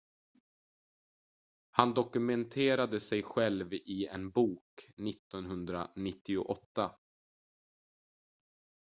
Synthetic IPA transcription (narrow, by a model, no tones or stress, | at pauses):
hand̪ɔkɵmɛnt̪ʰeːɾad̪əsɛjɧɛlvɪɛ̰nbuːknɪt̪ːɔnɦɵnd̪ɾa̰nɪt̪ːɪʊ̰ʔɔt̪ːa